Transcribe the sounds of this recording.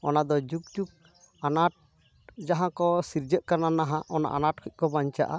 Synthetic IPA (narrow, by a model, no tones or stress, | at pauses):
ɔnad̪ɔd͡ʒuk̚d͡ʒuk̚ | anaʈ̚ | d͡ʒaɦãkɔsiɾd͡ʒəʔ̚kananaɦãʔɔna̰ʔanaʈ̚kʰɔt̚ˀkɔbaɲt͡ʃa̰ʔa